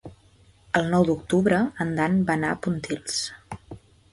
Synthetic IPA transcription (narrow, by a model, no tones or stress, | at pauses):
əlˠnɔwd̪uk̚t̪uβɾəənd̪anbanaəpunt̪ilˠs